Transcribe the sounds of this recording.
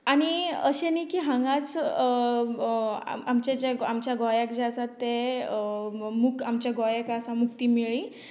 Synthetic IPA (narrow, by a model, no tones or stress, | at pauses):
aɽ̃iəɕenikiːɦãŋɡat͡s | amt͡ɕet͡ɕaamt͡ɕjaɡɔjakd͡ʑasat̪ːe | mukamt͡ɕjaɡɔjekasamukt̪iːmiɭiː